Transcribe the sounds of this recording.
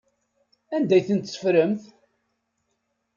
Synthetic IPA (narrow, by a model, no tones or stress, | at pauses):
ænd̪æjθənt̪sə̥fɾəmθ